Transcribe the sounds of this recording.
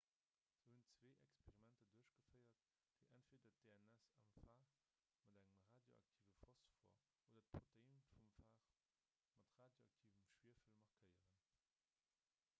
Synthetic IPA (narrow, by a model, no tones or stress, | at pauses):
z̥əhunt͡sveːʔɛ̰kspʰeʁimæntəduɐɕɡ̥əfəɪɐt | d̥eɪʔæntfiːdɐt̚d̥eɛnɛsɑmfaːʁ | mɑdæŋəmʁaːdjo̰ɑ̰k̚tʰiːvəfɑsfɔ̰ɐ | ʔoːdɐt̚pʰʁotəinfumfaːʁ | mɑtʁaːdjoɑk̚tʰiːvəmʃwiːɐfilmɑʁkʰəjəʁən